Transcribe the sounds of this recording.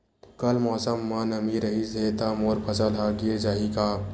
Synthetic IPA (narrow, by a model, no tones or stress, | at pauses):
kəlmɔːsəmːãnəmiɾəɦiset̪amoːɾpʰəsəlɦaɡied͡ʒaːɦikaː